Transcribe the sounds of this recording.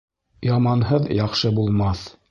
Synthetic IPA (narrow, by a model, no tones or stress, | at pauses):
jɑmɑnɦɤðjɑχʃɤbulˠmɑθ